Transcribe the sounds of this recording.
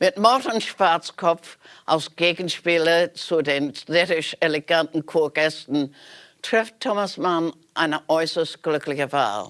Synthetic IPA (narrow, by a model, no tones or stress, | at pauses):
mɪt̚mɔtən̩ʃv̥aɐt͡skʰɔp͡fʔaʊsɡ̥eːɡn̩ʃpiːlət͡sudeːnʃʁɪtɪʃeleɡantn̩kʰoːɐɡ̥ɛstn̩tʁ̥ɪftʰːomasman | ʔaɪnəʔɔʏsəst̚ɡ̥lʏkʰlɪçəva̰ːl